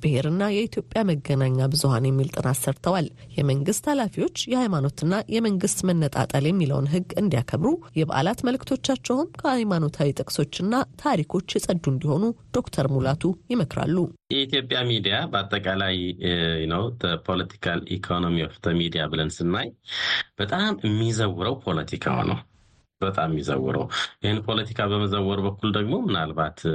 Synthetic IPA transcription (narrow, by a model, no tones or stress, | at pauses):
b̥ɨheɾɨnːajɛit̪ʰjo̞pʼːjaməɡənaɲːabɨzuhanjɛmːilt̪ʼɨnasːəɾt̪ʰəwaljɛməŋɡɨst̪halafiwo̞t͡ʃːjɛhajmano̞t̪ɨnːajɛməŋɡɨst̪mənːət̪ʼa̰t̪ʼəljɛmːilə̰wnɦɨɡːɨnd̪ijakʰəβɾujɛβa̰ʔa̰lat̪məlkʰt̪ʰo̞t͡ʃːat͡ʃːɛwɨmkʰəhajmano̞t̪ʰawit̪ʼɨkʼso̞t͡ʃːɨnːat̪ʰaɾikʰo̞t͡ʃːjɪsʼəd̪und̪iho̞nud̪̥o̞kt̪ʰəɾmulat̪ʰujɪməkɾa̰lːujɛit̪jo̞pʼːjamid̪ijabəat̪ʼːəkʼalajnəwd̪əpʰo̞lət̪ʰi̥kʰalḭkʰo̞no̞miwɔft̪ʰəmid̪ijabɨlənsɨnːajb̥ət̪ʼamɨmːizəwɨɾəwpʰo̞lət̪ʰikʰa̰nə̰w | b̥ət̪ʼamjizə̰wɨ̰ɾə̰wjʔɪhɨnpʰo̞lət̪ʰi̥kʰaβəməzəwːɔɾbəkːuld̪əɡmo̞mɨnalbat̪